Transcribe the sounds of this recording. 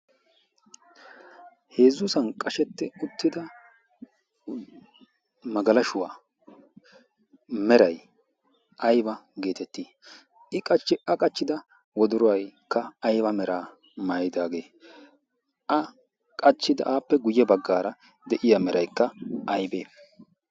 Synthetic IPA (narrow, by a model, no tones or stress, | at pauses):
he̞ːzːʊsɐnkʼɐʃɛt̪ːɛʊt̪ːɪd̪ɐ | mɐɡɐlɐʃʊwaː | mɛɾɐj | ʔɐjbɐɡe̞ːt̪ɛt̪ːiː | ʔɪkʼɐt͡ʃːɪʔɐkʼɐt͡ʃːɪd̪ɐ | wɔd̪ʊɾʊwɐjkːɐːjbɐmɛɾʔaː | maːjɪd̪aːɡe̞ː | ʔɐ | kʼɐt͡ʃːɪd̪ɐ̰ʔaːpːɛɡʊjːɛbɐɡːaːɾɐ | d̪ɛʔɪjamɛɾɐjkːɐɐjbeː